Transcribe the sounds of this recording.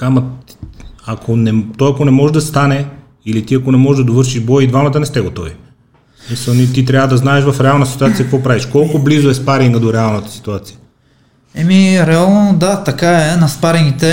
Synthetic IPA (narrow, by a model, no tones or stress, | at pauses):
kamɐ | ɐkʰonɛt̪ɔjɐkonɛmɔʒɛd̪ɐst̪anɛ | ilit̪iɐkonɛmɔʒɛd̪ɐd̪ovɤɾʃiʒbɔjid̪vamɐt̪ənɛst̪ɛɡot̪ɔvi | smisəlˠnit̪it̪ɾʲavəd̪ɐznaɛʃvɐfɾɛalˠnəsi̥t̪uat̪sijɐkɐkvɔpɾaviʃkɔlˠkoblizoɛspaɾiŋɡəd̪oɾɛalˠnət̪ə̥si̥t̪uat̪sijə | ɛmiɾɛalˠnod̪at̪ɐkaɛnɐspaɾɛnit̪ɛ